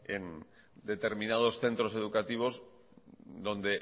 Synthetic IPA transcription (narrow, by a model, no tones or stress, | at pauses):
ḛn | d̪et̪eɾmĩnað̞osθe̞nt̪ɾose̞ð̞ukat̪iβ̞oz | d̪õ̞nd̪e